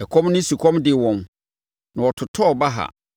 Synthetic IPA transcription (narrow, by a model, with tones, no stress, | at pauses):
ɛ˨kʰɔ̃˦mnʊ̃˦si˨kʰɔ̃˦mdɪ˨wɔ̃˨m | nã˨wɔ˨tʰʊ˨tʰɔ˦˨ba˦ɦa̰˨